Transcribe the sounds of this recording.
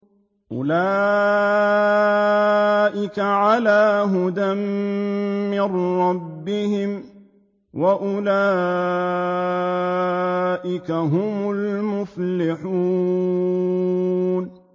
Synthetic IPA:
ʔʊ̰laː | ʔɪkaʕalaːɦʊd̪amː | ɪnɾɑbːɪhɪm | waʔʊlaː | ʔɪkaɦʊmʊlmʊflɪħuː | n

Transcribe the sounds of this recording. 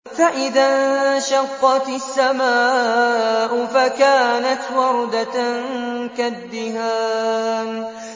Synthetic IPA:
faʔɪðanʃɑqːɑt̪sːamaː | ʔʊfakaːnat̪wɑɾˤd̪a | kad̪ːɪhaːm

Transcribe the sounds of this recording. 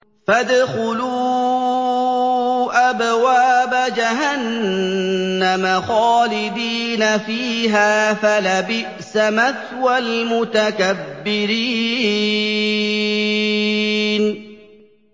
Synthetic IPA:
fad̪xʊluː | ʔabwaːbad͡ʒaɦanː | amaxɑːlɪd̪iːnafiːɦaːfalabɪʔsamat̪walmʊt̪akabːɪɾiː | n

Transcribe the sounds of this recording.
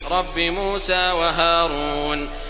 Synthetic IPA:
ɾˤɑbːimuːsaːwaɦaːɾuːn

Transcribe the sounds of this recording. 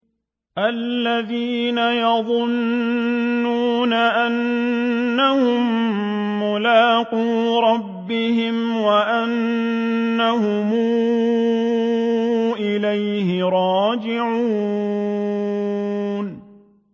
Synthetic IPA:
ʔalːaðiːnajɑðˤʊnː | uːnaʔanː | ahʊmː | ʊlaːquː | ɾˤɑbːɪhɪm | waʔanː | ahʊmuː | ʔɪlajhɪɾˤɑːd͡ʒɪʕuː | n

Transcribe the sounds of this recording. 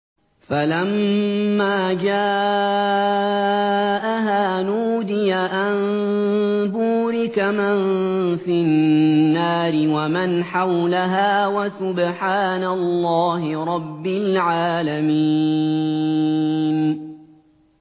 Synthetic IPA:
falamː | aːd͡ʒaː | ʔaɦaːnuːd̪ɪjaʔan | buːɾɪkamanfɪnːaːɾɪwamanħawlaɦaːwasʊbħaːnalːɑːɦɪɾˤɑbːɪlʕaːlamiː | n

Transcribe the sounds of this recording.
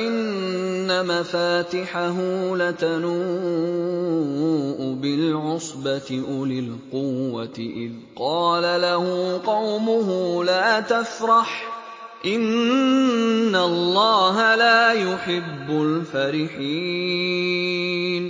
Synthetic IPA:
ʔɪnːamafaːt̪ɪħaɦulat̪anuː | ʔʊbɪlʕʊsˤbat̪ɪʔʊlɪlqʊːat̪ɪʔɪ̰ð | qɑːlalahʊqɑwmʊɦʊlaːt̪afɾˤɑħ | ʔɪn | alˤːɑːɦalaːjʊħɪbːʊlfaɾɪħiː | n

